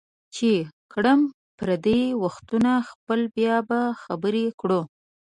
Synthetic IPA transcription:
t͡ʃekɽəm | pɾad̪ewaxt̪unaxpəlbjɑbaxabəɾekɽo

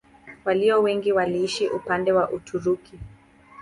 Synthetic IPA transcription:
waliɔwɛŋɡiwaliːʃiʔupandɛwaʔutʰuɾuki

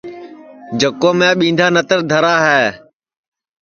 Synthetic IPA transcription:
d͡ʒəkoːmẽːɓĩːnd̪ʱaːnət̪əɾd̪ʱəɾaːɦɛː

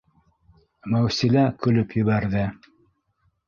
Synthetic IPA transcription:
mæwsilækɵ̆lɵpjɵ̆βæɾðɘ

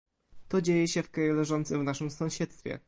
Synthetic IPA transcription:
t̪ɔd͡ʑejɛɕɛfkɾajulɛʐɔnt̪sɨmvnaʂɘmsɔ̃w̃ɕɛt̪st̪fʲɛ̰

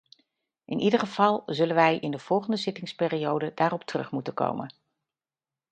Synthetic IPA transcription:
ʔɪnʔidəɹχəv̥ɑlˠzɵlənʋɛjʔɪndəv̥ɔlˠχəndəzɪtɪŋspɪːrijowdədaːrɔp̚tərɵ̰χmutəko̰wmə̰n

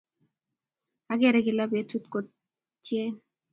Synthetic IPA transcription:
aɡeɛɾeɡilabet̪ʰut̪ko | t͡ɕʰie

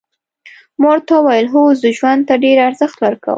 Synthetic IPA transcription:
mɑɾt̪awajəlɦozd̪əʒwand̪̚t̪aɖeɾaɾzəxt̪waɾka̰wə̰

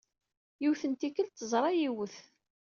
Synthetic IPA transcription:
jiwθənt̪ikːəlt̪ːəzˤɾˤɑjiwəθ

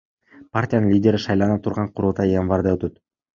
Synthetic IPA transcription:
partʲijanɯnlʲidʲe̞ɾiʃɑjlˠɑnɑt̪ʰuɾʁɑɴqʰuɾulˠt̪ɑjjanvard̪ɑøt̪øt̪

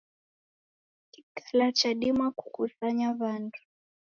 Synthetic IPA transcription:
ki̥kʰalat͡ʃaɗimaku̥kusaɲaβandʰu̥

